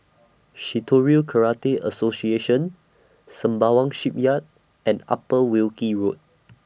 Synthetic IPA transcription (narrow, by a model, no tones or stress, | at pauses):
ʃitʰoɹiəlkʰəɹateʔə̰sosieʃə̃n | sə̃mbawãŋʃip̚jat̚ | ɛ̃na̰pəwilkiɹut̚